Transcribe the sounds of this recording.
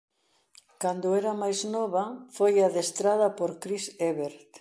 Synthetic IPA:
kand̪ʊɛɾɐmajznɔβɐfojaðest̪ɾaðɐpoɾkɾiseβeɾt̪

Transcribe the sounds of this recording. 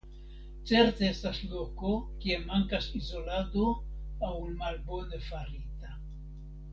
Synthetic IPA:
t͡se̞ɾt̪eestaslo̞ko̞kiemaŋkasizo̞lado̞awnmalbo̞nefaɾita

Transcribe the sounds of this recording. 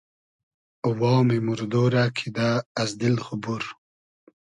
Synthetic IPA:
uwaːwmimuɾd̪oːɾaːkʰid̪aːzd̪ilxubuɾ

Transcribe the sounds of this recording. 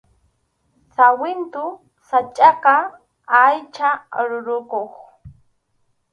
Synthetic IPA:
sawɪnt̪ʊ | sat͡ʃʼɑqɑ | ajt͡ʃaɾʊɾʊkoχ

